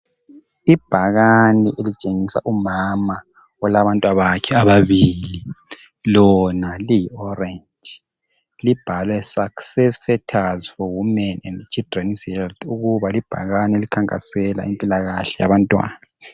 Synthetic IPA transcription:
ib̥ʱaɣaniʔelit͡ʃʼeŋisa̰ʔumama | ɔlaβantʼwaβakʰɛaβaβili | lɔnalijiɔrɛnd͡ʒ | lib̥ʱalwɛsaksɛsfɛtʰazfɔwumɛnɛndt͡ʃʰidrɛnishɛlt̪ʰuɣuβalib̥ʱa̰ɣanielikʰaŋkʼa̰sɛla̰impʼilaɣaɬɛja̰βantʼwa̰ːnna

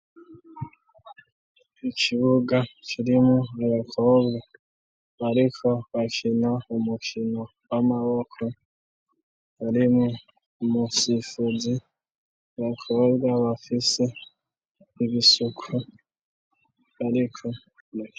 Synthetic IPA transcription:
ikʰiβuɡakʰiɾimuaβakʰobɡa | βaɾikʰo̞βakʰinaumukʰino | wamaβokʰo | βaɾimu | musifuzi | βakʰo̞bɡaβafise | iβisukʰu | aɾikʰo̞

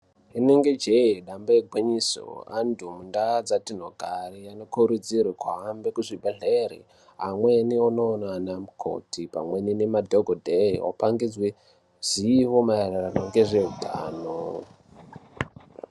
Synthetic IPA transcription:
ineŋɡe̞d͡ʒeiɗambaeɡʱwiɲiso̰a̰ndʱumundad͡zatinoɡʱarijano̞kuɾud͡zirwekuɦambekuʐibʱeɮerḭ | ɦa̰mwenionoːnanamukʰo̰tʰipa̰mweninemadʱoɡʱodʱeḭwo̰paŋɡid͡zwe | z̥iːʋo̞maereranoŋɡe̞ʐeudʱa̰ːno

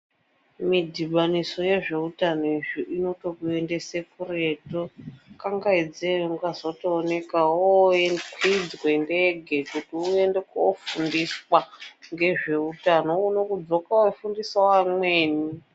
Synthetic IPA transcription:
midʱiɓaniso̞je̞ʐe̞utanoiʐiʔino̞to̞kue̞ndese̞kure̞ːtokaŋɡaid͡zeuŋɡazotoːne̞kawoekwid͡zwendeɡʱe̞kutiue̞ndekoofundiswaŋɡe̞ʐe̞utano̞uno̞kud͡zo̞kawefundiswawamweːni

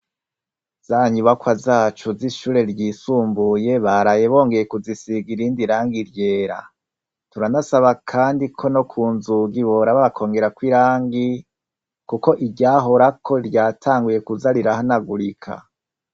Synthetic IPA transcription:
z̥aːɲuβakwazaːt͡ʃuziʃuːɾe̞ɾɟisuːmbuje̞βaɾajeβo̞ːŋɡe̞je̞kuzisiɡiɾiːndiɾaːŋɡiɾje̞ːɾa̰ | tuɾanasaβakʰaːndikʰo̞no̞kʰuːnzuɡiβo̞ɾaβaβakʰo̞ːŋɡe̞ɾakwiɾaːŋɡi | kuko̞ʔiɟaːɦo̞ɾakʰo̞ɾɟaːtʰaːŋɡuje̞kuzaɾiɾahanaɡuɾikʰa̰

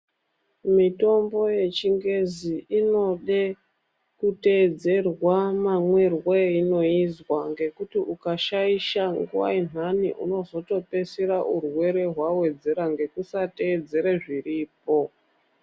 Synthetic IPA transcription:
mito̞mbo̞je̞t͡ʃiŋɡe̞ziino̞ɗe | kute̞d͡ze̞rwamamwerweino̞izwaŋɡe̞kutiʔukaʃaiʃaŋɡṵwa̰inanḭʔṵno̞zo̞to̞pe̞siɾaʔurwe̞ɾe̞ɦwawe̞d͡ze̞ɾaŋɡe̞kusate̞ːd͡ze̞ɾeʐiriːp̚o̞

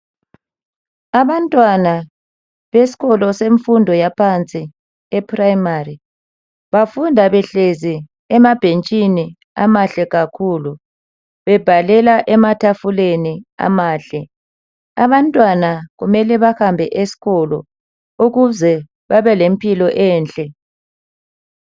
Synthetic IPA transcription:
aβantʼwana | βesi̥ɣɔlɔseɱfundʱɔjapʰant͡sʼi | ɛpʰraimari | βafundʱaβɛɬezi | ɛmab̥ʱent͡ʃʼini | a̰maɬɛɣakʰulu | βɛb̥ʱalɛlaʔɛmatʰafulenia̰maːɬɛ | aβantʼwanaɣumɛlɛβahambʱɛʔesi̥ɣɔlɔ̰ | uɣuzɛ | βaβɛlempʼʰilɔʔɛːnt͡ɬʼɛ

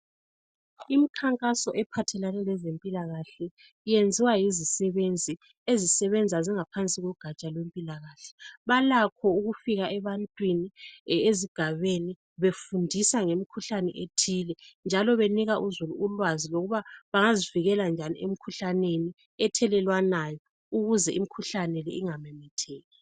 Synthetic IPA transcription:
imikʰaŋkʼasɔʔɛpʰatʰɛlanɛlɛzempʼilaɣaɬɛ | jend͡zʱiwajizisɛβend͡zʱi | ezisɛβend͡zʱaziŋapʰant͡sʼiɣɔɡ̥ʱat͡ʃʼalwempʼilaɣaːɬɛ̥βalakʰɔuɣufiɣaʔɛβantʼwinieziɡ̥ʱaβeni | βefundʱisaŋemikʰuɬanɛʔetʰilɛnd͡ʒʱalɔβeniɣaʔuzuluːlwaziloɣuβaβaŋaziviɣɛland͡ʒʱanḭʔemikʰuɬaneni | ɛtʰɛlɛlwanajɔ | uɣuzɛʔimikʰuɬanɛlɛiŋamɛmɛtʰɛːɣɛ

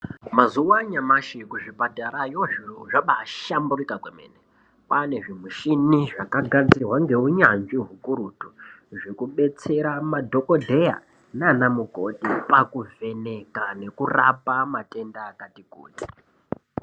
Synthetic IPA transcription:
mazuwaɲamaʃikuʐibʱadʱaɾajoʐoʐaɓaʃamburikakwemḛːne | pane̞ʐimuʃiniʐakaɡʱad͡zirwaŋɡe̞uɲanʐiɦukuɾuːtu̥ʐekuɓe̞t͡se̞ɾamadʱo̞ko̞dʱe̞ja̰ | nanamuko̞tipakuve̞ne̞kane̞kurapamate̞ndaːkatikṵːti̥

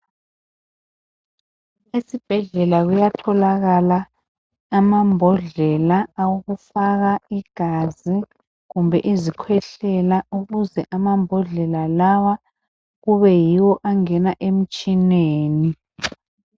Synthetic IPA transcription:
esib̥ʱɛɮɛlaɣujatʰɔlaɣalaː | mambʱɔɮɛlaːwuɣufaɣaiɡ̥ʱazi | ɣumbʱɛʔizikʰwɛɬɛlauɣuzɛʔamambʱɔɮɛlalawa | ɣuβɛjiwɔʔaŋɛnaʔem̩t͡ʃʼineːni

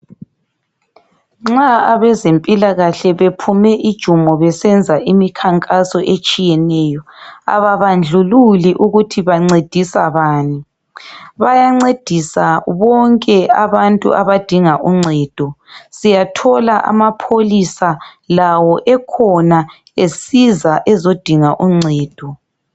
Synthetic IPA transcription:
ŋ͡ǁaaβɛzempʼilaɣaɬɛβepʰumɛʔid̥ʒ̥ʱumɔβɛsɛnd͡zʱaʔimikʰaŋkʼasɔʔet͡ʃʼijɛnɛjɔa̰βaβand͡ɮʱululiʔuɣutʰiβaŋ͡ǀed̥ʱisaβaːni | βajaŋ͡ǀed̥ʱisaβɔŋkʼɛaβantʼṵʔa̰βad̥ʱiŋaʔuŋ͡ǀʱɛːd̥ʱɔsijatʰɔlaʔa̰mapʰolisalawɔʔɛkʰɔna | esizaʔɛzod̥ʱiŋaʔuŋ͡ǀʱɛːd̥ʱɔ

